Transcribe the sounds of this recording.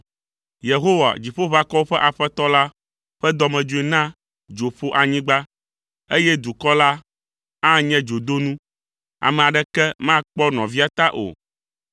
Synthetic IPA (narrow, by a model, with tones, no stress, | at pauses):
je˨ɦo˦wa̰˨d͡ʑi˨ɸo˦βa˨kɔ˦wo˦ɸɛ˦ʔa˨ɸɛ˦t̪ɔ˦la˦ | ɸɛ˦d̪ɔ˦mɛ̃˨d͡ʒo˦i˦nã˦ | d͡ʒo˨ɸo˦ʔa˨ɲĩ˦ɡ͡ba˦ | e˦jɛ˦d̪u˨kɔ˦la˦ | ã˦ɲɛ̃˦d͡ʒo˨d̪o˦nũ˦ | a̰˨mɛ̃˨a˨ɖɛ˦kɛ˦mã˦k͡pɔ˦nɔ̃˨vi˦a˦t̪a˦ʔo̰˨